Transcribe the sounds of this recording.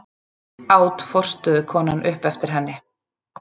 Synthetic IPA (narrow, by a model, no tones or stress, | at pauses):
aːwt̪fɔr̥st̪ʏðʏkʰɔːnanʔʏhpɛft̪ɪɾ̥ɦɛnːɪ